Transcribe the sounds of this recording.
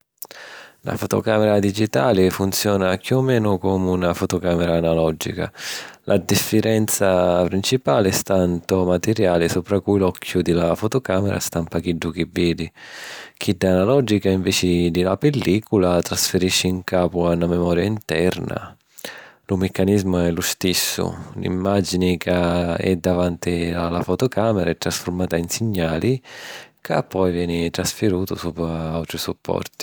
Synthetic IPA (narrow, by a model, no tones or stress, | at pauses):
la̰fot̪ɔ̰kaːmɛɾad̪id͡ʒit̪aːlɪfunt̪sjɔːnakjuɔmːɛːnʊkɔmunafɔt̪ɔkaːmɛɾaːnalɔd͡ʒḭka̰lʔad̪ifːiɾɛnt̪sapɾint͡ʃipaːlɪɛst̪ant̪ʊmat̪ɛɾjaːlɪsupɾakujilɔkʰːjʊd̪ɪlafɔt̪ɔkaːmɛɾa̰st̪ampak̟iɖːʊkivːiːd̪ik̟id̪ːanalɔd͡ʒikaiɱvɛːt͡ʃɪd̪ɪlapɛlːiːkulat̪ɾasfɪɾiʃːɪiŋkaːpʊanːamɛmɔːɾjaint̪ɛɾna̰ | lʊmɛkːanizmʊɛlʊst̪isːʊ̰lḭmːad͡ʒinɪkaɛ̰d̪ːavant̪ialːafɔt̪ʊkaːmɛɾaɛt̪ːɾasfʊɾmaːt̪ainsɪɲːaːlikapːɔjvjɛːnɪt̪ɾasfɪɾuːt̪ʊsuːpʊaawt̪ɾisupʰːɔ̰rt̪i̥